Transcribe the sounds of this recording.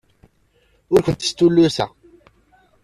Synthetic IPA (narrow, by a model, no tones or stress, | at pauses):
ʊɾkʷənt̪ə̥st̪ːulːʊsæ̰